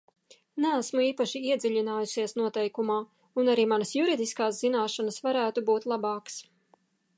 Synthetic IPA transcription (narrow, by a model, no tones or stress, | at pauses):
nææsmuiːpaʃiiɛd̪zʲiʎʲinaːjusiɛsnuɔt̪ɛjkumaː | unaɾiːmanɐsjuɾid̪iskaːszinaːʃanasvaɾæːt̪ubuːt̪lˠabɑːks